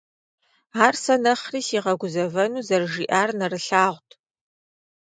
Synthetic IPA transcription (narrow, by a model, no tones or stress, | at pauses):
aːrsɐnɐχriːsiːʁɐɡʷʊzɐvɐnuːzɐrʒiːʔaːrnɐrɨɬaːʁʷtʰ